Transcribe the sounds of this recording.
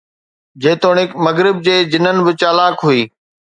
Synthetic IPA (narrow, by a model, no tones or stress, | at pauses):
d͡ʑeːt̪oːɽɪkmɐɣɾɪb̚d͡ʑeːd͡ʑɪnənɪ̆bɪt͡ɕaːlaːkɦuiː